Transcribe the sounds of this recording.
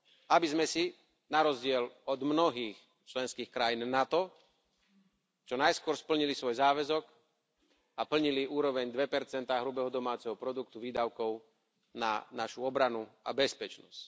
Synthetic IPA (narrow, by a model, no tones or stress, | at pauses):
abizmɛsi | naɾɔzɟɪɛlɔd̪mnɔɦiːx | t͡ʃlɛnskiːxkɾajinːat̪ɔ | t͡ʃɔnajskʊɔɾspl̩ɲilisʋɔjzaːʋɛzɔk | apl̩ɲiliuːɾɔʋɛɲd̪ʋɛpɛɾt͡sɛnt̪aːɦɾubɛɦɔd̪ɔmaːt͡sɛɦɔpɾɔd̪uk̚t̪uʋiːd̪aʊkɔʊ | na̰naʃuɔbɾanua̰bɛspɛt͡ʃnɔsc